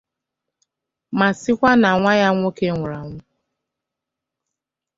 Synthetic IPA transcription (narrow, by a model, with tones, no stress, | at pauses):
ma˨sɪ˦kʷa˦na˨ŋʷa˦ja˦ŋʷo˦ke˦ŋʷʊ˨ɾa˨ŋʷʊ˦